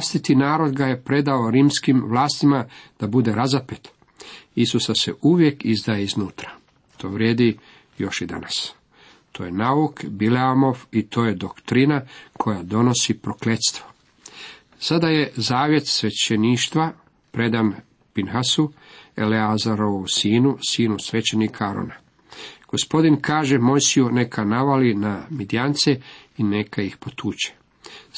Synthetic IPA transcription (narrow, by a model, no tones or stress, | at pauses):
st̪it̪inaːɾo̞d̪ɡaje̞pɾe̞d̪aoɾiːmskimʋlˠaːst̪imad̪̥abud̪e̞ɾazapet̪ | isusase̞ʔuʋje̞kizd̪ajeiznuːt̪ɾḁ | t̪ʰo̞̰ːʋɾʲjeːd̪i | jo̞ʃid̪a̰nas | t̪ʰo̞ːjenaukbileamo̞fit̪ʰo̞ːje̞d̪okt̪ɾinakʰo̞jad̪o̞no̞sipɾo̞klet̪st̪ʋo̞ | sad̪aje̞zaːʋje̞t̪sʋe̞t͡ɕeniːʃt̪ʋa | pɾe̞d̪an | pinxasue̞̰leazaɾoousiːnusiːnusʋe̞t͡ɕenikʰaaɾo̰na | ɡ̥ospo̞d̪inkaːʒe̞mo̞jsijune̞kʰanaʋalinamid̪ijant̪seinekaixpo̞t̪ʰuːt͡ɕe̥